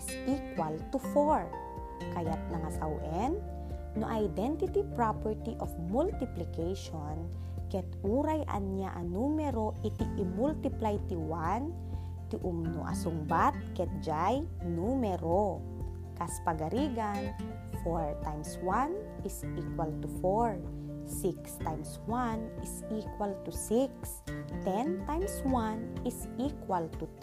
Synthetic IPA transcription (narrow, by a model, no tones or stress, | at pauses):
sʔikwalt̪ʊfoɹ | kɐjat̪̚nɐŋasawʔɛn | noʔajd̪ɛnt̪ɪt̪ipɹapɛɹt̪iʔofmult̪ɪplɪkɛjʃon | kɛt̪uːɾajʔɐ̰nɲa̰ʔɐnumɛɾoʔɪt̪iʔɪmult̪ɪplajt̪iwan | t̪ɪʔʊmno̰ʔɐ̰sʊŋbat̪̚kɛt̪̚d͡ʒaj | numɛɾo | kaspaɡɐɾiːɡan | foɹt̪ajmswan | ʔɪsiːkwalt̪ufoɹ | sikst̪ajmswanʔɪsikwalt̪usiks | t̪ɛnt̪ajmswanɪsikwalt̪u